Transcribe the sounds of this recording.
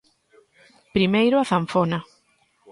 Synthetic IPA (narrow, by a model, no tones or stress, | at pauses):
pɾimejɾʊaθaɱfona